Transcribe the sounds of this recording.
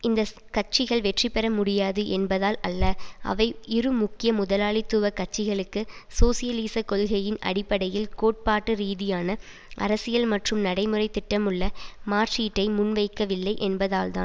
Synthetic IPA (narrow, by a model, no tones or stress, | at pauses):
ɪnd̪ɐ | kɐʈ̚t͡ʃɪɣɐɭʋɛʈripːɛɾɐmʊɽɪjaːðɯʔɛnbɐðaːlɐlːɐʔɐ̰ʋɐɪɪɾɯmʊkːɪjɐmʊðɐlaːɭɪt̪ːɯʋɐkːɐʈ̚t͡ʃːɪɣɐɭɯkːɯsoːsɪjɐliːsɐkɔlɣɐjɪnɐ̰ɽɪpːɐɽɐjɪlkoːʈ̚paːʈːɯɾiːðɪjaːnɐ | ʔɐ̰ɾɐsɪjɐlmɐʈrɯmnɐɽɐɪmɯrɐɪt̪ːɪʈːɐmɯɭːɐmaːɾt͡ʃiːʈːɐɪmʊnʋɐɪkːɐʋɪlːɐɪʔɛnbɐðaːlt̪a̰ːn